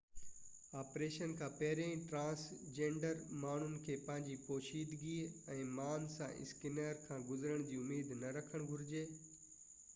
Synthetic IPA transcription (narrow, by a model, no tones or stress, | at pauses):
aːpɾeːʃənkʰãːpɐɦɪɾẽĩʈɾãːsd͡ʑẽːɳɖəɾmaːɳ̤ʊnɪ̆kʰeːpɐ̃ɦɪ̃ɲd͡ʑipoːʃiːd̪ɡiɛ̃ːmaːnsã̰ʔɪ̰skɪneːɾkʰãːɡʊzɾəɽ̃d͡ʑiːʊmeːd̪nɐɾɐkʰəɽ̃ɡʱʊɾɪd͡ʑeː